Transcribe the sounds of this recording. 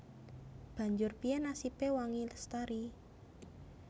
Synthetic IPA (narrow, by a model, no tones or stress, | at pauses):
b̥a̤ɲd͡ʒʊrpiɛnasipewaŋiləst̪aɾi